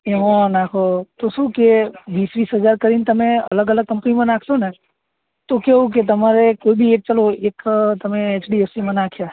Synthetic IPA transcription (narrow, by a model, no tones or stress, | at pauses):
eʋãnakʰot̪osũkeʋisʋisɦəzaɾkəɾint̪əmẽə̰ləɡələɡ̚kːə̃mpnimãnakʰsõne | t̪okeũk̬et̪̬əmaɾekoibʱieʈ̚t͡ʃəloekt̪əmẽːt͡ʃɖiesimãnakʰja